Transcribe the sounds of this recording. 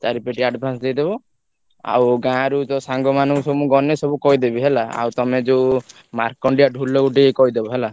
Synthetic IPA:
t̪aɾipeʈiaɖbʱãnsd̪ejd̪ebɔ | a̰wɡãɾud͡ʒɔsaŋɡɔmanɔŋksɔbumũɡɔnesɔbukɔid̪ebiɦelaa̰wt̪ɔmed͡ʒe | maɾkɔɳɖijaɖʱulɔɡuʈikɔjd̪ebɔɦela

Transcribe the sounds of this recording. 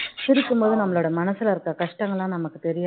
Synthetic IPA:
siɾikʲːumboːðɨnɐmːɐɭuɽemɐnɐsːilɐrkːɐkɐʂʈɐŋːɐɭaːnɐmɐkːɨt̪eɾijaː

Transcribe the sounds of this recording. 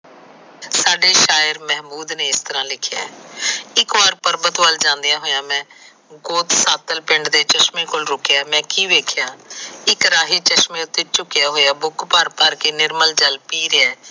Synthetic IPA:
saːɖeːʃaːjəɾmɛːɦmuːd̪neːɪst̪əɾãːlɪkʰɪja̰ːɪkʋaːɾpəɾbət̪ʋəld͡ʒãːnd̪ejãːɦoːjãːmɛ̃ː | ɡoːt̪saːt̪əlpɪɳɖd̪eːt͡ʃəʃmiːkoːlɾʊkɪjaːmɛ̃ːkiːʋeːkʰɪjaːɪkɾaːɦiːt͡ʃəʃmẽːʊt̪ːeːt͡ʃʊkːɪjaːɦoːjaːbʊkpəɾpəɾkeːnɪɾməld͡ʒəlpiːɾeɛː

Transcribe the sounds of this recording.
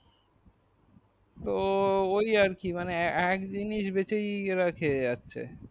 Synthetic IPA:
t̪oojaɾkimaneɛkdiniʃbet͡ɕejɾakʰeatːɕʰḛ

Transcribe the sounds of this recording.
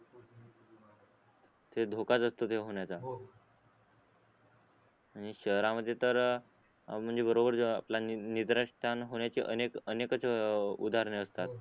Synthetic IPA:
t̪ʰed̪ʱokat͡səst̪ot̪ʰeɦoɳjat͡sa | aɽ̃iɕəɦɾaməd̪ʱːjet̪əɾ | m̤əɳd͡zebəɾobəɾa̰pljanid̪ɾəʂʈʰanɦoɳ̃jat͡ɕiʔənekənekət͡sʰeud̪ʱaɾɳeəst̪at̪

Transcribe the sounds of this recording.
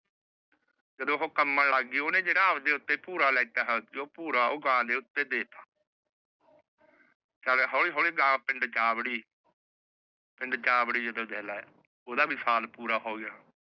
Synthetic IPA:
d͡ʒəd̪õːɦõːkəmːənlaɡiːoːnẽːd͡ʒeːɽaːəʋd̪eːʊt̪ːeːpuːɾaːlɛːt̪aːɦɛoːpuːɾaːoːɡãːd̪eːʊt̪ːeːd̪eːt̪aː | t͡ʃaːleːɦoːliːɦoːleːɡãːpɪ̃ɳɖt͡ʃaːbɽiː | pɪ̃ɳɖt͡ʃaːbɽiːd͡ʒəd̪õːd̪ʱɛːlaːɛ | oːd̪aːbiːsaːlpuːɾaːɦoːɡɪjaː

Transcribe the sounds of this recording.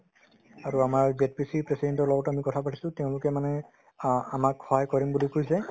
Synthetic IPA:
aɹuamaɹbet̚pisipɹesidɛntɔɹlɔɡɔtamikɔtʰapatʰi̥sʊ̃teʊ̃lʊkɛmanɛ | amakxɔɦajkɔɹimbulikujsɛ

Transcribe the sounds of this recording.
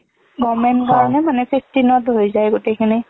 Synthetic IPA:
ɡɔmɛnkaɹɔnɛmanɛpʰipʰtinɔtɦojzajɡotekʰini

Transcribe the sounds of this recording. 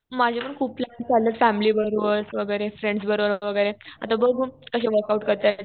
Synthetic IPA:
mad͡ʑʱapəɳkʰuːp̚plaɳt͡salːət͡sfæmiliːbəɾoʋəɾsʋəɡəjɾefɾẽɳɖs̬bəɾoʋəɾʋəɡəjɾea̰t̪abəɡʱuːkəɕẽʋəɾkauʈkəɾt̪a

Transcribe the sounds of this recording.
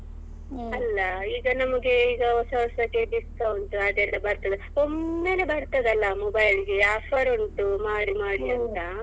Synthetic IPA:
ɐlːɐiːɡɐnɐmɐɡe̞iːɡɐɔsɐɔsɐkːeɖist̪ɐʋɐnt̪ɐɐd̪ɛlːɐbɐɾt̪ɐd̪eomːe̞ːlebɐɽt̪ɐd̪ɐlːɐmɔbɐjliɡeaːpʰɐɾoɳʈumaːɽimaːɽiɐnt̪ɐ

